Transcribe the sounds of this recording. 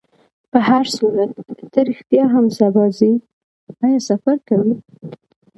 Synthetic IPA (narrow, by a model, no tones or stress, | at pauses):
pəhaɾsuɾat̪ːəɾɪxt̪ijɑɦamsabɑzi | ɑjɑsafaɾkawi